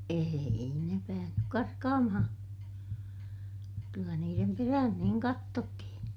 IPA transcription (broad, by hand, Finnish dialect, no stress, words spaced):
eːi ne pæːhnyk kɑrkɑːmɑhɑ̃ː kylːæ niːrem peræhæn niːŋ kɑtːotːihin